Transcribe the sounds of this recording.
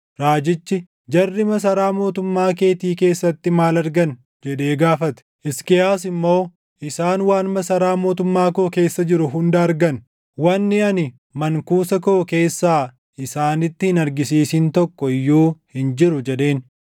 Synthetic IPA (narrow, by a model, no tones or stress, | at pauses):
ɾaːd͡ʒɪt͡ʃːɪ | d͡ʒɐrːɪmɐs̬ɐɾaːmo̞ːt̪ʊmːaːke̞ːt̪iːke̞ːsːɐt̪ːɪmaːlɐɾɡɐn | d͡ʒɛᶑe̞ːɡaːfɐt̪ɛ̥ʔɪskɛjaːsɪmːo̞ː | ʔɪsaːnwaːnmɐsɐɾaːmo̞ːt̪ʊmːaːkoːke̞ːsːɐd͡ʒɪɾʊɦʊnd̪ɐːɾɡɐn | wɐnːɪɐnɪ | mɐŋkuːsɐkoːke̞ːsːaː | ʔɪsaːnɪt̪ːɪhɪnɐɾɡɪsiːsɪnt̪ɔkːɔɪjːuːhɪnd͡ʒɪɾʊd͡ʒɛᶑe̞ːn